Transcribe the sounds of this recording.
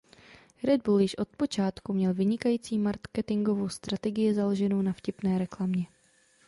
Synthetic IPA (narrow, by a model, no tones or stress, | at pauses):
ɾɛd̚buljɪʃʔo̞t̪̚po̞t͡ʃaːt̪kumɲɛlvɪɲɪkajiːt͡siːmaɾkɛt̪ɪŋɡo̞vo̞wst̪ɾat̪ɛɡɪjɪzalo̞ʒɛno̞wnafcɪpnɛːɾɛklamɲɛ